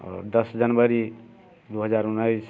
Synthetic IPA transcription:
d̪əsd͡ʒənbəɾi | d̪uɦəd͡ʒaɾunːais

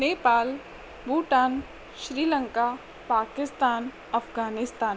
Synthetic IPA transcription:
neːpaːl | buːʈaːn | ʃɾiːlə̃ŋka | paːkɪst̪aːn | ɐfɡaːnɪst̪aːn

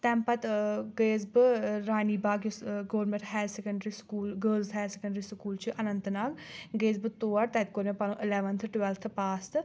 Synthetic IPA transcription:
t̪ɛ̃ːmpɐt̪ɡeːzbɾaːniːbaːɡsɡoːɾmẽʈɦɛːsɛkəɳɖɾiːskuːlɡəːlzɦɛːsekəɳɖɾiːskuːlt͡ʃʰiʔɐnənt̪naːɡɡeːzbt̪oːəɾt̪ɛːt̪koːɾmẽpalõːʔɪlɛːʋənt̪ʰʈwɛlt̪ʰpaːst̪

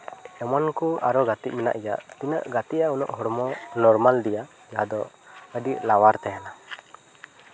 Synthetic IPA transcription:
ɛmɔnkuaɾɔɡat̪iʔ̚mɛna̰ʔja̰ʔt̪ina̰ʔɡat̪iʔaunɔ̰ʔɦɔɽmɔnɔɾmald̪ija | jad̪ɔ | əɖiʔlawaɾt̪ɛjana

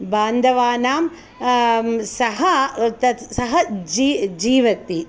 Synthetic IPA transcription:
baːnd̪ʱɐʋaːnaːm | sɐɦɐt̪ɐsɐɦɐd͡ʒiːd͡ʒiːʋɐt̪i

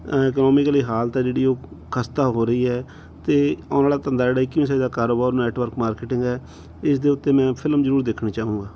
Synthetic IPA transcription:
ɪknɔːmɪkliːɦaːlt̪aːd͡ʒeːɽiːoːkʰəst̪aːɦoːɾəiːɦɛː | t̪eːɔːnaːlaːt̪ənd̪aːd͡ʒeːɽaːikːɪĩsaid̪aːkaːɾoːbaːɾonɛːʈʋəɾkmaːɾkeːʈɪ̃ŋɡɛː | ɪsd̪eːʊt̪ːeːmɛ̃ːpʰɪləmzəɾuːɾd̪eːkʰɽeːt͡ʃaːũːɡaː

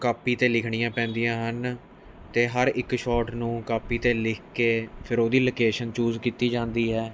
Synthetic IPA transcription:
kaːpiːt̪eːlɪkʰɳijãːpɛ̃ːnd̪ijãːɦən | t̪eːɦəɾɪkʃɔːʈnũːkaːpiːt̪eːlɪkʰkeːpʰɪɾoːd̪iːloːkeːʃənt͡ʃuːzkiːt̪iːd͡ʒãːnd̪iːɦɛː

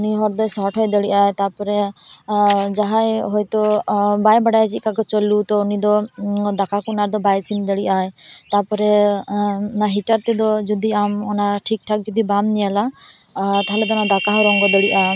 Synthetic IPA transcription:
ɔniɦɔɾd̪ɔjsɔʈʰɦɔjd̪ɔɽiʔajt̪apɔɾɛ | d͡ʒaɦajɦɔjt̪ɔbajbaɽajt͡ʃit̪̚kakɔt͡ʃɔlut̪ɔːnid̪ɔd̪akakunaɾd̪ɔbajsʰind̪ɔɽiʔajt̪aɾpɔɾɛ | naɦiʈaɾt̪ɛd̪ɔd͡ʒud̪iamɔnaʈʰik̚ʈʰak̚d͡ʒud̪ibamnijala | t̪aɦɛlɛd̪ɔnad̪akaɦɔɾɔŋɡɔd̪ɔɽiʔa

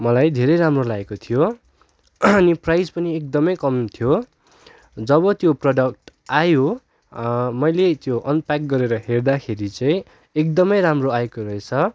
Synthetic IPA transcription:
mʌlajd̪ʱeɾʌjɾamrolaekot̪ʰijo | ʌniprajd͡zpʌniek̚d̪ʌmʌjkʌmt̪ʰijo | d͡zʌβʌt̪joprʌɖʌk̚ʈ | ajo | mʌjlet̪joʔʌnpak̚ɡʌɾeɾʌɦerd̪akʰeɾit͡saĩ | ek̚d̪ʌmʌjɾamroaekoɾʌet͡sʰʌ

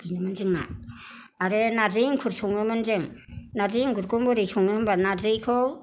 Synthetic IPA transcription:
b̥inɯmɯnzɯŋna̰ | aɾenazɯŋkʰuɾsɔŋnɯmɯnzɯŋnaziŋkuɾkɔmbɔɾɯjsɔŋnɯhɯmbanazɯjkʰɔw

